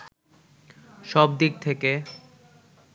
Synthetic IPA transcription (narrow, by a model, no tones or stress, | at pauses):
ʃɔb̚d̪ik̚t̪ʰeke